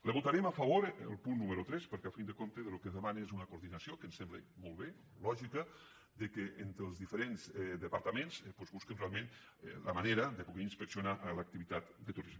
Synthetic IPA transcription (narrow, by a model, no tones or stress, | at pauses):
ləβut̪aɾemafɐβ̞oɾəlˠpunːuməɾut̪ɾɛspəɾkɛafind̪əkomt̪əðəlukəzðəmanezunəkuɾðinɐsjokənsɛmblə̰molˠβe | lɔʒikə | d̪əkeʔent̪ɾəlˠzðifəɾenzɛd̪əpaɾt̪amenzpozβuskənrealˠmẽn | lə̰maneɾəðəpuɣɛinspəksjunaʔlək̚t̪iβit̪at̪d̪ət̪uɾizme